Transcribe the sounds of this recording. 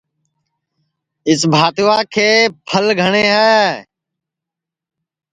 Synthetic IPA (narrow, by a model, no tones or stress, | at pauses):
ɪsbʱaːt̪ʋaːkʰeːpʰəlɡʱəɳ̃eːɦɛː